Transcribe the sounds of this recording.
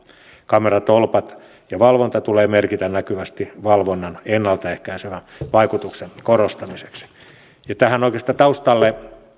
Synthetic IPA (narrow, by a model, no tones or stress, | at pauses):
kɑmerɑt̪olpɑt̪ | jɑʋɑlʋont̪ɑt̪uleːmerkit̪ænnækyʋæst̪iʋɑlʋonːɑnenːɑlt̪ɑehkæiseʋænʋɑikut̪uksenkorost̪ɑmise̥ks | jɑt̪æhænoikest̪ˑɑt̪ɑust̪ɑlːe